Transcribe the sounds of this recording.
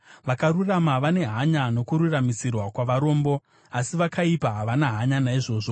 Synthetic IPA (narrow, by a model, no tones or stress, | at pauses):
ʋakaɾuramaʋane̞ɦaɲano̞kuɾuramisirwakwaʋaɾo̞ːmbo̞ | asiʋakaipaɦaʋanaɦaɲanaiʐo̞ːʐo̞